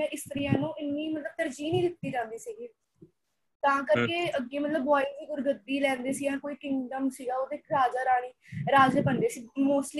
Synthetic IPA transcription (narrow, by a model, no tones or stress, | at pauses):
ɛ̃ːʔɪst̪əɾijãːnũːɪnːiːmət̪ləb̚t̪əɾd͡ʒiːnĩːd̪ɪt̪ːiːd͡ʒãːnd̪iːsiːɡiː | t̪ãːkəɾkeːəɡːiːmət̪ləbːaːiːd̪iːɡʊɾɡəd̪iːlɛ̃ːnd̪eːsiːãːkoːiːkɪŋɖəmsiːɡaːoːd̪eːɾaːd͡ʒaːɾaːɽ̃iːɾaːd͡ʒeːpənd̪eːsiːmoːsli